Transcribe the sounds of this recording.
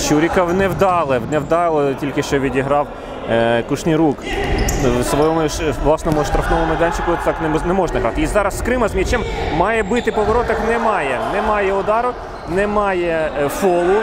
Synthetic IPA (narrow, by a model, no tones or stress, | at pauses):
t͡ʃuɾʲikɐwnɛwd̪ɑlˠɪwnɛwd̪ɑlˠɔtʲilʲkɪʃt͡ʃɔʋʲidʲiɦɾɑw | kuʃnʲiɾuk | sʋɔjɔmʊʃʋlˠɑsnɔmʊʃt̪ɾɐfnɔʋɔmʊd̪ɛnʲt͡ʃɪkʊt̪t̪ɑknɛnɛmɔʒnɐɦɾɑt̪ɪizɑɾɐsːkɾɪmɐzmʲit͡ʃɛmmɑjɛbɪt̪ɪpɔʋɔɾɔt̪ɐknɛmɑjɛnɛmɑjɛɔd̪ɑɾʊ | nɛmɑjɛfɔlˠʊ